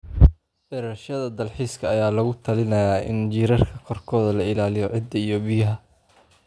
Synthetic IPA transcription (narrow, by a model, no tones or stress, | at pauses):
bɛɾɐʃɐðɐd̪ɐlħiːskʰɐːjaːlɐɣʊt̪ʰɐlɪnɐjaːʔɪ̰nd͡ʒiːɾɐrkʰɐkʰɔrkʰɔːðɐlɐɪlaːlɪjɔʕɪd̪ɐijɔbɪjɐɦɐ